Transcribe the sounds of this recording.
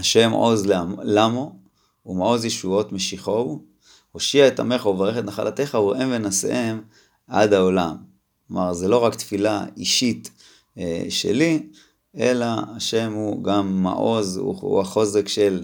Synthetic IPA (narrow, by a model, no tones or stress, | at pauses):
haʃe̞mʔo̞̰zllamo | umaʔo̞zjeʃuo̞t̪me̞ʃiχo̞ | ho̞ʃiaet̪a̰me̞χauvaʁeχet̪naχa̰lʔat̪e̞χauʁʔemvenasḛʔem | a̰d̪ao̞lam | omaʁzelo̞ʁakt̪filaiʃit̪ | eʃe̞̰li | elaːʃe̞mhuɡamːa̰ʔo̞zṵṵaχo̞zekʃe̞l